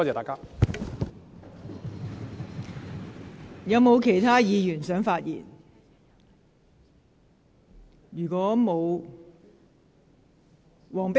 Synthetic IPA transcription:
ɔ˥ɛː˨˩t̪aː˨˩kaː˦˥ | jɐ˨˧wmo˨˧wkʰe˨˩jt̪ʰaː˥jiː˨˧jyː˨˩nsœː˨˥ŋfaː˧t̚jḭː˨˩n | jyː˨˩kɔː˨˥mo˨˧w | wɔː˨˩ŋpe˥

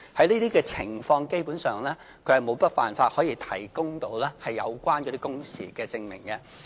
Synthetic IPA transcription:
hɐ˨˥jniː˥t̪iː˥kɛː˧t͡sʰɪ˨˩ŋfɔː˧ŋke˥jpuː˨˥nsœː˨ŋlɛː˥ | kʰɵ˨˧ɥhɐ˨˩jmo˨˧wpɐ˥t̚fa̰ː˨nfaː˧t̚hɔː˨˥jiː˧t̪ʰɐ˨˩jkʊ˥ŋt̪o˧wlɛː˥hɐ˨jːɐ̰˨˧wkʷaː˥nkɔ˧t̪iː˥kʊ˥ŋsḭː˨˩kɛː˧t͡sɪ˧ŋmɪ˨˩ŋkɛ˧

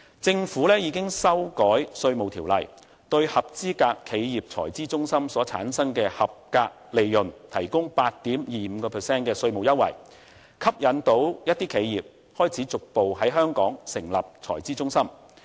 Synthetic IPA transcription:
t͡sɪ˧ŋfuː˨˥lɛː˥jiː˨˧kɪ˥ŋsɐ˥wkɔː˨˥jsɵ˧ɥmo˨wt̪ʰiː˨˩wlɐ˨j | t̪ɵ˧ɥhɐ˨p̚t͡siː˥kaː˧kʰːe˨˧jjiː˨p̚t͡sʰɔː˨˩jt͡siː˥t͡sʊ˥ŋsɐ˥msɔː˨˥t͡sʰa̰ː˨˥nsɐ˥ŋkɛː˧hɐ˨p̚kaː˧k̚le˨˧jjɵ˨˩nt̪ʰɐ˨˩jkʊ˥ŋpaː˧t̚t̪iː˨˥mjiː˨˩m̩ː˨˧kɔː˧pʰɛ˨˩sɛː˥nkɛː˧sɵ˧ɥmo˨wjɐ˥t̚wɐ̰˨˩j | kʰɐ˥p̚jɐ˨˥nt̪o˨˧˥wjɐ˥t̚t̪iː˥kʰe˨˧jjiː˨p̚ | hɔː˥jt͡sʰiː˨˥t͡sʊ˨k̚po˨wɦɐ˨˥jɦœː˥ŋkɔː˨˥ŋsɪ˨˩ŋlɐ˨p̚t͡sʰɔ̰ː˨˩jt͡siː˥t͡sʊ˥ŋsɐ˥m

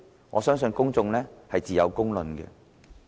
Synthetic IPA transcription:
ŋʔɔː˨˧sœː˥ŋsɵ˧nkʊ˥ŋt͡sʊ˧ŋlɛː˥hɐ˨jt͡siː˨jɐ̰˨˧wkʊ˥ŋlɵ˨nkɛ̰ː˧

